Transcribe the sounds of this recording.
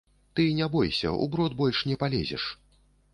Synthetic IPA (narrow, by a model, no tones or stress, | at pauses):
t̪ɨnʲɛbɔjsʲɐ̰ʔṵbɾɔd̪bɔlʲʂnʲɛpalʲɛ̰zʲɛ̰ʂ